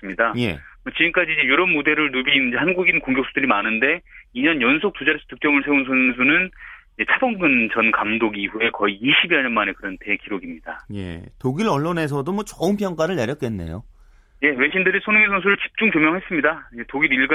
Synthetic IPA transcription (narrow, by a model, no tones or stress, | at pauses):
s͈ɯmɲidaje̞̰ʌt͡ɕiɡɯmk͈ad͡ʑiːɲd͡ʑejoɾʌnmode̞ɾɯɭnubiːnɯd͡ʑehanɡuɡinkoŋɡjoks͈ʰudɯɾimanɯnde̞iɲʌnjʌnsʰok̚t͈ud͡ʑaɾes͈ʰʌtɯk̚t͡ɕ͈ʌmɯɭsʰe̞unsʰʌns̬ʰunɯnid͡ʑe̞t͡ɕʰabʌŋɡɯnt͡ɕʌnkamdoɡiɸue̞kʌiːɕʰibiaɲʌnmane̞kɯɾʌntʰekiɾoɡimɲidaje̞̰toɡiɾʌɭːone̞s̬ʰʌdomwʌt͡ɕʌɯmp̬jʌŋk͈aɾɯɭneɾjʌk͈enːe̞̰jo̰ | je̞we̞ɕʰindɯɾisʰonɯŋisʰʌnsʰuɾɯɭt͡ɕi̥p̚t͡ɕ͈uŋt͡ɕomjʌŋɦe̞s͈ɯmɲidaid͡ʑetoɡiɾiɭɡɯ